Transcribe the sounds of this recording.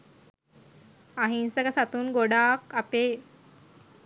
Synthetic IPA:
aɦinsəkasat̪uːnɡoɽakape

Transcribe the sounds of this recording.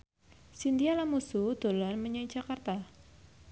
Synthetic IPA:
sind̪ialamusud̪̥o̤lanməɲaid͡ʒ̥akart̪a

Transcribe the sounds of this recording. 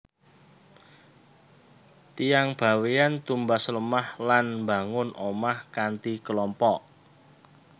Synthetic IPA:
t̪ijaŋb̥a̤wejant̪umbasələmahlanmba̤ŋʊnʔomahkant̪ikəlɔmpɔʔ

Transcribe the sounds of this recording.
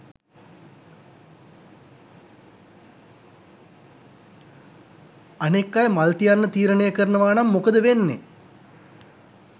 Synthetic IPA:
anekːajmalt̪ijanːət̪iːɾənejəkəɾənəʋaːnamːokəd̪əʋenːḛ

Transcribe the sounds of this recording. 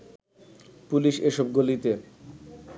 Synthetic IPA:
puliʃeʃɔb̚ɡolit̪e

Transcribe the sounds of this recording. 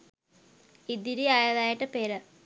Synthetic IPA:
id̪iɾiaːjɐðaːjiʈːɨpeːɾɨ

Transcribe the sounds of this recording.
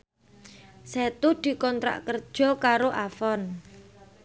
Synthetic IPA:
set̪ud̪̥i̤kɔnt̪ɾa̰ʔkərd̥ʒ̥ɔ̤kaɾoʔafɔn

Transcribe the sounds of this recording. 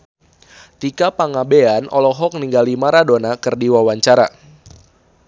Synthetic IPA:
t̪ikapaŋabeanʔɔ̰lɔɦɔk̚niŋɡalimaɾadonakɨrdiwawaɲt͡ʃaɾa̰

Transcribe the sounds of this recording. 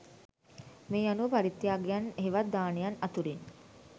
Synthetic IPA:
meːanupaɾit̪ːjaːɡejaneɦiʋad̪aːnejanat̪uɾin

